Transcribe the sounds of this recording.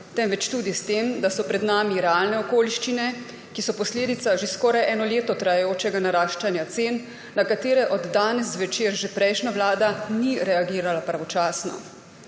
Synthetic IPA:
t̪ɛmʋɛt͡ʃt̪ud̪ist̪eːmd̪asɔpɾɛd̪naːmiɾɛalnɛɔkoːliʃt͡ʃinɛ | kisɔpɔsleːd̪it̪saʒeskɔːɾajʔɛːnɔleːt̪ɔt̪ɾajajoːt͡ʃɛɡanaɾaːʃt͡ʃanjat̪seːnː | akat̪eːɾɛʔɔd̪ːaːnɛsːʋɛt͡ʃeːɾʒepɾɛjʃnaʋlaːd̪aniɾɛaɡiːɾalapɾaʋɔt͡ʃaːsnɔ̰

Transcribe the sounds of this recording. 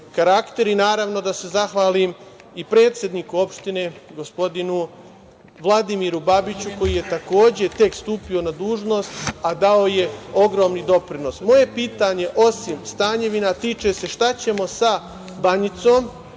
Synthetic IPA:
kaɾakt̪e̞ɾinaːɾaʋno̞d̪ase̞zaxʋaːlim | ipɾe̞ːt̪sje̞d̪nikuo̞pʃt̪ine̞ɡo̞spo̞d̪inu | ʋlˠad̪imiɾubabit͡ɕuko̞jije̞t̪ako̞ːd͡ʑe̞t̪e̞kst̪uːpio̞nad̪uːʒno̞st̪ad̪aoje̞o̞ɡɾo̞mnid̪o̞pɾino̞smo̞je̞piːt̪aɲe̞ʔo̞simst̪aːɲe̞ʋinat̪iːt͡ʃe̞se̞ʃt̪at͡ɕe̞mo̞sa | baɲit̪so̞ːm

